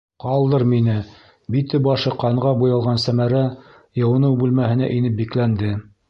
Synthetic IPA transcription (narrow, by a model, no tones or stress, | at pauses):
qɑlˠd̪ɤɾminɘ | bit̪ɘbɑʃɤqɑɴʁɑbujɑlˠʁɑnsæmæɾæ | jɤ̆wɤ̆nɤwbʉlmæhɘ̆næ̰ʔinɘp̚biklænd̪ɘ